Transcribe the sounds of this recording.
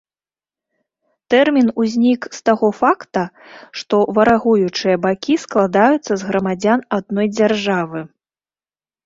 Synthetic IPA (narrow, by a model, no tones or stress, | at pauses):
t̪ɛrmʲinuzʲnʲikst̪aɣɔfakt̪ɐ | ʂt̪ɔvɐɾaɣujut͡ʂɨjɐbakʲisklˠad̪ajut̪sːɐzɣɾɐmad͡zʲanad̪̚nɔjd͡zʲarʐavɨ